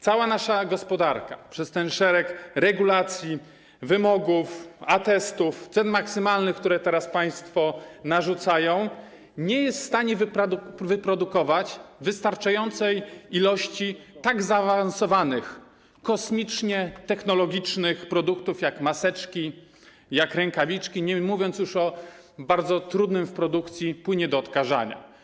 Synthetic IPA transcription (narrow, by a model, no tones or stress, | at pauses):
t̪sawanaʂaɡɔspɔd̪aɾkapʂɛst̪ɛnʂɛɾɛkɾɛɡulat̪sʲji | vɘmɔɡufat̪ɛst̪uft̪sɛnmaksɘmalnɘxkt̪uɾɛt̪ɛɾaspaj̃st̪fɔnaʐut̪sajɔ̃w̃ | ɲɛjɛst̪st̪aɲɛvvɘpɾɔd̪ukɔvat͡ɕvɘst̪aɾt͡ʂajɔnt̪sɛjilɔɕt͡ɕit̪aɡzaːvansɔvanɘx | kɔsmʲit͡ʂɲɛt̪ɛxnɔlɔɡʲit͡ʂnɘxpɾɔd̪ukt̪ufjakmasɛt͡ʂkʲi | jakɾɛŋkavʲit͡ʂkʲiɲɛmuvʲjɔnt̪s̬ʲjuʂɔ | baɾd̪zɔt̪ɾud̪nɘmfpɾɔd̪ukt̪sʲjipwɘɲɛd̪ɔːt̪kaʐa̰ɲa̰